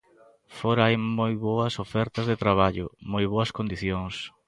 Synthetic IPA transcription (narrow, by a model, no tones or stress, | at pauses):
foɾaajmojβoɐsofɛɾt̪ɐzðet̪ɾaβ̞aʎʊ̰mojβoɐskond̪iθjoŋs